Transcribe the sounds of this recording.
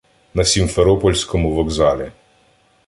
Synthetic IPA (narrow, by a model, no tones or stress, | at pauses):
nɐsʲimfeɾɔpɔlʲsʲkɔmʊʋɔɡzɑlʲi